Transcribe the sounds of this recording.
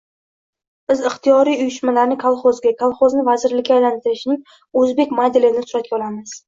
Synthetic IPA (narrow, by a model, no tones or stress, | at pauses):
b̥ɪzɪχt̪ʰijɒɾijʊjʏʃmalaɾnɪkʰalˠχozɡʲakʰalˠχoznɪvazɪɾlɪkʲːaːjlant̪ʰɪɾɪʃnɪŋ | ɵzbe̞kʲmad̪elɪnɪsʊɾat̪̚kʲaɒlˠamɪz̥